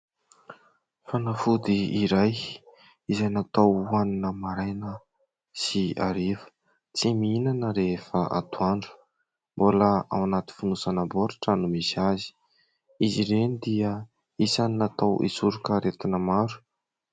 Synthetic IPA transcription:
fanafud̪iːɾaj | izajnat̪awuaninəmaɾajnə | sia̰ɾefə̥ | t͡simiinanəɾefaʔa̰t̪uaɳɖ͡ʐu̥ | mboləa̰wanat̪i̥funusanaboɾaʈ͡ʂənumisazi̥ | iziɾenid̪iə | isannat̪awʔḭsuɾukəɾet̪inəmaɾu̥

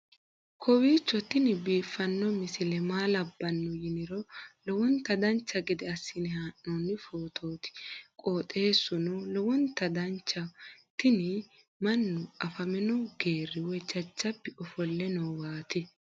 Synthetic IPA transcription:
kʰɔwiːt͡ʃːɔt̪ɪnɪbiːfːɐnːɔmɪsɪlɛmaːlɐbːɐnːʊjɪnɪɾɔlɔwɔnt̪ɐd̪ɐnt͡ʃːɐɡɛd̪ɛɐsːɪnɪhaːʔːɔnːɪfoːt̪ʰo̞ːt̪ɪ̥kʼoːt̪ʼe̞ːsːʊnʊlɔwɔnt̪ːɐd̪ɐnt͡ʃːɐt̪ɪnɪ | mɐnːʊɐfɐmɛnɔwɡeːrːɪwɛt͡ʃːɐt͡ʃːɐpːɛɔfɔlːɛnɔwwaːt̪ɪ

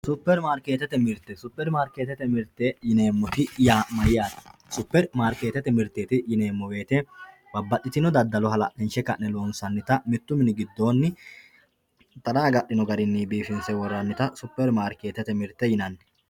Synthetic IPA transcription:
sʊpːɛɾmaːɾkeːt̪ːɛt̪ɛmɪɾt̪ːɛsʊpːɛɾmaːɾkeːt̪ːɛt̪ɛmɪɾt̪ːejɪneːmːɔt̪ɪjaːmɐjɪjaːt̪sʊpːɛɾmaːɾke̞ːt̪ɛt̪ːɛmɪɾt̪ːeːt̪ɪjɪneːmːɔwe̞ːt̪ɛ | bɐbːɐɗːɪt̪ɪnɔd̪ɐd̪ːɐlɔɦɐlɐʔɛnʃɛkɐʔnɛloːnsɐnːɪt̪ɐmɪt̪ːʊmɪnɪɡɪd̪ːo̞ːnːɪ | t̪ɐd̪aːɡɐʔːɪnɔɡɐɾɪnːibiːfɪnsɛwɔrːɐnːɪt̪ɐsʊpːɛɾmaːɾke̞ːt̪ɛt̪ɛmɪɾt̪ːɛjɪnɐnːɛ

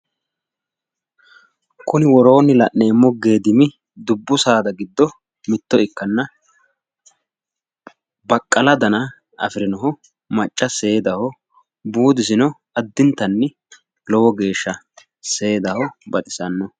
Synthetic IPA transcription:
kʊnɪwɔɾo̞ːnɪlɐʔneːmːɔɡe̞ːd̪ɪmɪ | d̪ʊbːʊsaːd̪ɐɡɪd̪ːɔ | mɪt̪ːɔɪkːɐnːɐ | bɐkʼːɐlɐd̪ɐnɐ | ʔɐ̰fɪɾɪnɔɦɔ | mɐt͡ʃʼːɐse̞ːd̪ɐhɔ | buːd̪ɪs̬ɪnɔ | ɐd̪ːɪnt̪ːɐnːɪ | lɔwɔɡe̞ːʃːɐ | se̞ːd̪ɐhɔbɐt̪ʼɪ̥sɐnːɔ

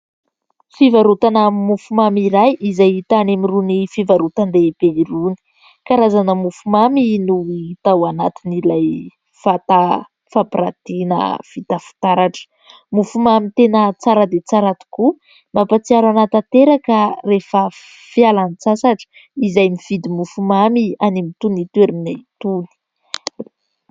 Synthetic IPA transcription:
fivaɾut̪anamimufumamiɾajizajit̪anemirunifivaɾut̪and̪ebeɾuni̥ | kaɾazanəmufumaminuit̪awanat̪inilaj | fat̪a | fapiɾa̰t̪inə̰v̥it̪afi̥t̪aɾaʈ͡ʂə̥ | mufumamit̪enət͡saɾəd̪et͡saɾat̪i̥ku | mapat͡siaɾanat̪at̪eɾakərefə | fialanit͡sasaʈ͡ʂə̥ | izajmiv̥id̪imufumamianimit̪unit̪ueɾinat̪uni̥

